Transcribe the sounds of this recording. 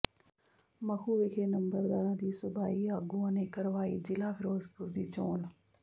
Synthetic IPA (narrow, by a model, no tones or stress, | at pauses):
mɐxʰuːʋikʰeːnɐmbəɾd̪aːɾãːd̪iːsʊbaːiaːɡuãːnẽːkɐɾʋaːḭd͡ʒɪlapɪɾoːzbuɾd̪iːt͡ɕoːn